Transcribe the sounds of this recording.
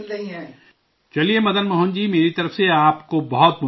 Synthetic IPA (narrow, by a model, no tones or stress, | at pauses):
nɐɦĩɛ | t͡ʃɐliemɐd̪ənmɐɦʊnd͡ʒiːmeːɾit̪ɐɾəfseaːpkobɐɦɔt̪̚mʊ